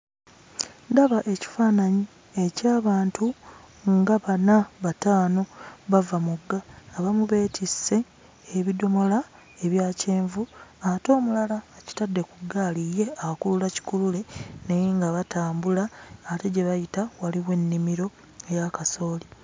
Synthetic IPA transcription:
ndaβaʔe̞ci̥faːnaɲi | e̞caːβaːntu | ŋɡaβanaβataːno̞βavamuɡːaːβamuβe̞ːtʰise̞ː | βido̞mo̞la | eβjaːceːɱvuato̞ːmulalaːci̥tadːe̞kuɡalije̞aakululaci̥kulule̞nejiŋɡaβataːmbulaːte̞ɟe̞βajitawaliwe̞nːimiɾo̞ | ejakaso̞ːli

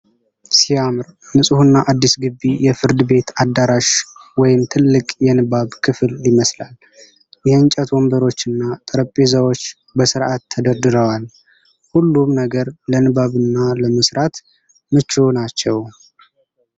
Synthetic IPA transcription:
siamɾmɨsʼɨhunːaʔad̪ːisɡɨbːijɛfɨɾd̪ɨbe̞t̪ad̪aɾaʃwɔjɪmt̪ʰɨlːɨkʼjɛnɨβaβkʰɨfɨlːiməslal | jɛɨnt͡ʃʼət̪wɔmbəɾo̞t͡ʃːɨnːat̪ʼəɾəpʼːezəwo̞t͡ʃː | bəsɨɾʔat̪ʰːəd̪əɾd̪ɨɾəwal | hulːumnəɡəɾlənɨbaβɨnːaləməsɾat̪ | mɨt͡ʃːonat͡ʃːɛw

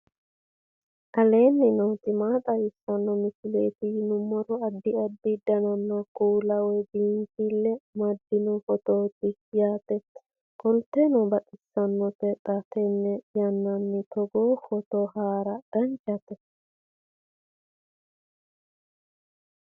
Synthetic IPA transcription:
ʔɐleːnːɛnowt̪ɪmaːt̪ʼɐjɪsːɐnːɔmɪsɪleːt̪ɪnʊmːɔɾɔɐdːɪɐb̪ːɪd̪ɐnɐnːɐkʼuːlɐwɛbiːnt̪ilːɛmɐd̪ːɪnɔfɔt̪oːt̪ːɪjaːt̪ɛt̪ | kɔlt̪ɛnɔbɐkʼɪsːɐnːɔt̪ɛt̪ʼːɐt̪ɛnːɛjɐnːɐnːɪt̪ɔɡoːfɔt̪ohaːɾɐd̥ɐnt͡ʃʼɐt̪ɛ

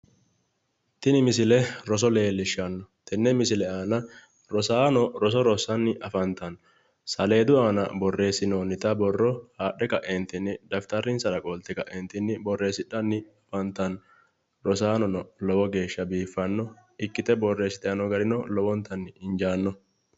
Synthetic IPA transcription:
t̪ɪnɪmɪs̬ɪlɛɾɔs̬ɔle̞ːlːɪʃːɐnːɔt̪ɛnːɛmɪsɪlɛaːnɐ | ɾɔsaːnɔɾɔs̬ɔɾɔsɐnːɪʔɐfɐnt̪ɐn | sɐle̞ːd̪ʊaːnɐ̰bɔrːe̞ːsɪnoːnɪt̪ɐbɔrːɔhaːɗːɛkɐʔent̪ɪnɪd̪ɐft̪ɐɾɪnsɐɾɐkʼɔlt̪ːɛkɐʔent̪ɪnːɪbɔrːe̞ːsɪᶑɐnːɪɐfɐnt̪ɐn | ɾɔsaːnɔnɔlɔwɔɡe̞ːʃːɐbiːfːɐnːɔɪkːɪt̪ɛbɔrːe̞ːsɪt̪ɛɐnɔɡɐɾɪnɔlɔwɔnt̪ɐnːɪɪnd͡ʒaːnːɔ

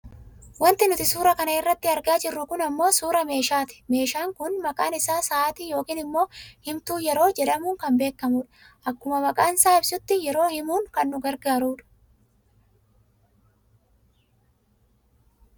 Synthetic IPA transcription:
wɐnt̪ɪnʊt̪ɪsuːɾɐkɐnɐɪrːɐt̪ːɪɐɾɡaːd͡ʒɪrːʊkʊnɐmːo̞ːsuːɾɐme̞ːʃaːt̪ɪ̥me̞ːʃaːŋkʊnmɐkʼaːnɪsaːsɐaːt̪iːjo̞ːkiːnɪmːo̞ːhɪmt̪uːjɛɾo̞ːd͡ʒɛᶑɐmuːŋkɐmbe̞ːkːɐmʊᶑɐ̥ | ʔɐkːʊmɐmɐkʼaːnsaːɪbsʊt̪ːɪjɛɾo̞ːhɪmuːŋkɐnːʊɡɐɾɡaːɾuːᶑɐ̥

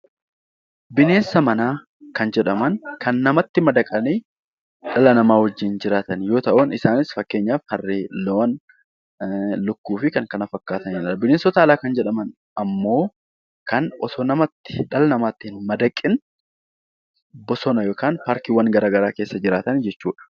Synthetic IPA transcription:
bɪne̞ːnsɐmɐnaː | kɐnd͡ʒɛᶑɐmɐnkɐnːɐmɐt̪ːɪmɐd̪ɐkʼɐniː | ᶑɐlɐnɐmaːwɐd͡ʒːɪnd͡ʒɪɾaːt̪ɐnjo̞ːt̪ɐʔʊnɪsaːnɪsfɐkːe̞ːɲːaːfhɐrːeːloːn | lʊkːuːfɪkɐŋkɐnɐfɐkːaːt̪ɐnɪᶑɐɐbɪne̞ːnsɔt̪ɐɐlaːkɐnd͡ʒɛᶑɐmɐn | ɐmːo̞ː | kɐnʔɔt̪oːnɐmɐt̪ːɪ̥ᶑɐlɐnɐmaːt̪ːɪhɪnmɐd̪ɐkʼːɪn | bɔsɔnɐjoːkaːnpaːɾkiwɐŋɡɐɾaːɡɐɾaːke̞ːsːɐd͡ʒɪɾaːt̪ɐnd͡ʒɛt͡ʃːuːᶑɐ̥

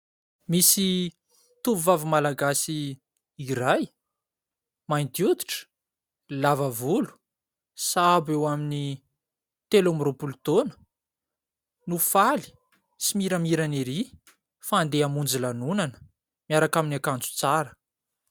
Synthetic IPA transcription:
misi | t̪uvuvavumalaɡasi | iɾaj | majnt̪jud̪i̥ʈ͡ʂə̥ | lavavulu̥ | sabewamini | t̪elamropulut̪onə̥ | nufali̥ | simiɾamiɾaneɾi | faːnd̪eamund͡zilanunanə̥ | miaɾakaminakant͡su̥t͡saɾə̥

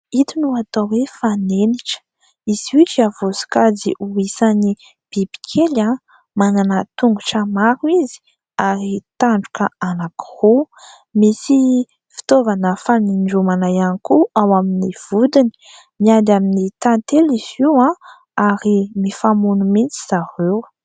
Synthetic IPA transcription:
it̪unuat̪awefaneniʈ͡ʂ | iz̥ut͡ʃavosi̥kad͡zḭʔuisani | b̥ibi̥kʰelã | mananət̪uŋɡuʈ͡ʂəmaɾuizi̥ | aɾit̪aɳɖ͡ʐu̥kəanaki̥hu | misi | fi̥t̪ovanəfaniɳɖ͡ʐumanajanikuawaminiv̥ud̪ini̥ | miad̪aminit̪ant̪eliziwã | aɾimifamunumint͡si̥z̥aɾew

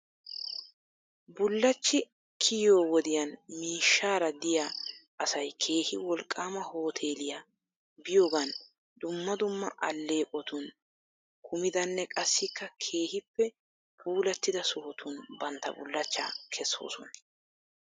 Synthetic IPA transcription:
bʊlːɐt͡ʃːɪ | kʰɪjoːwɔd̪ɪjɐnmiːʃːaːɾɐd̪ɪjaʔɐsɐjkʰe̞ːhɪwɔlkʼːaːmɐho̞ːt̪ʰe̞ːlɪja | bɪjo̞ːɡɐn | d̪ʊmːɐd̪ʊmːɐ̰ʔɐ̰lːe̞ːkʼɔt̪ʊn | kʰʊmɪd̪ɐnːɛkʼɐsːɪkːɐkʰe̞ːhɪpːɛ | puːlɐt̪ːɪd̪ɐsʊhɔt̪ʰʊnbɐnt̪ːɐ̰bʊ̰lːɐt͡ʃːɐ̰kʰɛsːo̰ːsɔ̰nɐ̥

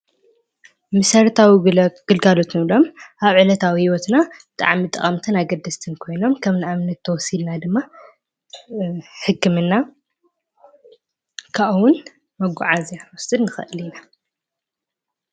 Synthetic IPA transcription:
mɨsɐɾt̪ʰawiɡ̥ɨlɡalo̞t̪ʰɨnlo̞mʔaβʕɨlɐt̪ʰawihiwot̪nabɨt̪ʼa̰ʕmit̪ʼɐχʼɐmt̪ʰɨnaɡɐd̪ːɐst̪ʰɨnkʰo̞jno̞mkʰɐmnaamnɐt̪ʰːɐwɔsilnad̪ɨmːa | ħɨkːɨmɨnːa | kʰaʔwʊn | mɐɡʷuʕazawɔsɨd̪nɨxɨ̰ʔɨlina

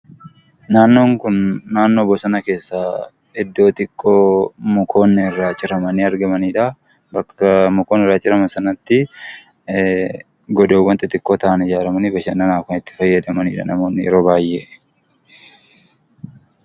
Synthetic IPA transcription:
naːnːoːŋkʊnːaːnːoːbɔsɐnɐke̞ːsːaː | ɛd̪ːo̞ːt̪ɪkʼːoːmɔkʰo̞ːnːɪrːaːt͡ʃʼːɪɾɐmɐniɐɾɡɐmɐniːᶑɐ | bɐkːɐmɔkoːnɪrːaːt͡ʃʼɪɾɐmɐnsɐnɐt̪ːɪ | ɡɔd̪oːwːɐnt̪ɛt̪ʼɪkʼːoːt̪ɐʔɐnɪd͡ʒaːɾɐmɐnibɐʃɐnːɐnaːkʊnɪt̪ːɪ̥fɐjːɐd̪ɐmɐniːᶑɐ̰nɐmo̞ːnːɪjɛɾo̞ːbaːjʔːḛː

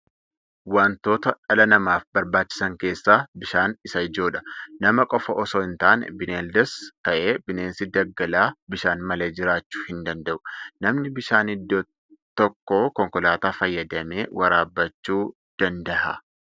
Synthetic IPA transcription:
waːnt̪o̞ːt̪ɐᶑɐlɐnɐmaːfbɐɾbaːt͡ʃːɪ̥sɐŋke̞ːsːaːbɪʃaːnɪsɐɪd͡ʒo̞ːᶑɐ̥nɐmɐkʼɔfɐʔɔsoɪnt̪aːnbɪneːld̪ɛst̪ɐʔe̞ːbɪneːnsɪd̪ɐɡːɐlaːbɪʃaːnmɐleːd͡ʒɪɾaːt͡ʃːu̥ːhɪnd̪ɐnd̪ɐʔʊ̥nɐmnɪbɪʃaːnɪd̪ːoː | t̪ːɔkːoːkɔŋkɔlaːt̪aːfɐjːɐd̪ɐme̞ːwɐɾaːbːɐt͡ʃːuː | d̪̥ɐnd̪ɐʔɐ̰

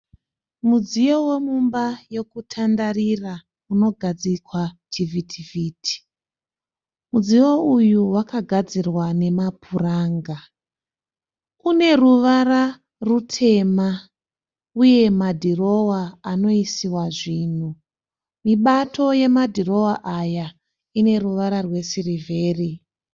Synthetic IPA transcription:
mud͡zijo̞we̞mumbaje̞kutʰandarira | uno̞ɡʱad͡zikwatʰivitʰiviːtʰi̥ | mud͡zijo̞ujuwakaɡʱad͡zirwane̞mapʰuraːŋɡa | une̞ruʋaɾa | rutʰe̞ma | uje̞madʱiro̞waːno̞isiwaʐiːn̤u | miɓatʰo̞je̞madʱiro̞waʔaja | ine̞ruʋaɾarwe̞sirive̞ːri

